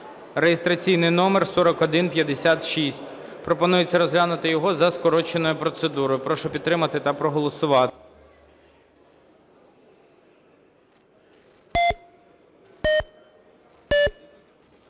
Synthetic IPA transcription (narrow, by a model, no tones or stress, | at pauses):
rejest̪ɾɐt͡sʲijnɪjnɔmersɔɾɔkɔd̪ɪnpʲjɐd̪esʲat̪ʃisʲtʲ | pɾɔpɔnujet͡sʲːɐɾɔzɦlʲanʊt̪ɪjɔɦɔzɐskɔɾɔt͡ʃenɔjʊpɾɔt̪sed̪uɾɔjʊpɾɔʃɔpʲit̪t̪ːɾɪmɐt̪ɪt̪ɐpɾɔɦɔlˠɔsʊʋɑt̪